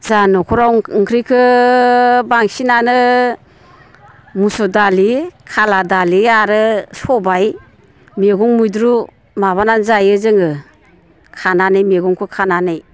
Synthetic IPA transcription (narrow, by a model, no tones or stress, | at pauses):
z̥anɔkʰuɾawŋkʰɾikʰɯ | baŋsinanɯ | musɔdalikʰaladaliaɾɯsɔbaj | mieɡɔŋmujdɾu | maβananzajɯzɯŋɯ | kʰananɯjmiɡɔŋkʰɯkʰananɯj